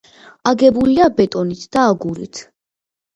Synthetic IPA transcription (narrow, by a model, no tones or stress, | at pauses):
aɡɛbuliabɛt̪ʼɔnit̪ʰd̪̥aːɡuɾḭt̪ʰ